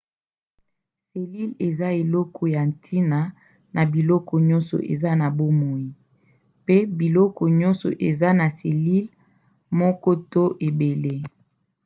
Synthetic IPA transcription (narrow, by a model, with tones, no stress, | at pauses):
se˨li˦le˨za˦e˨lɔ˦kʰɔ˦ja˨n˨tʰi˦na˨ | na˨bi˨lɔ˦kʰɔ˨ɲɔ˦nsɔ̰˨ʔḛ˨za˦na˨bo˦mo˨i˨ | pe˦bi˨lɔ˦kɔ˨ɲɔ˦nsɔ̰˨ʔḛ˨za˦na˨se˨li˦l | mɔ˦kɔ˦to˦ʔe˨be˨le˦